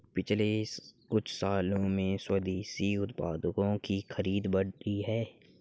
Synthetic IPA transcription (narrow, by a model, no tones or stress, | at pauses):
pɪt͡ʃʰlekʊt͡ʃʰsaːlõmẽswəd̪eːsiʊt̪paːd̪əkõkixəɾiːd̪bɐɽʈiɦɛː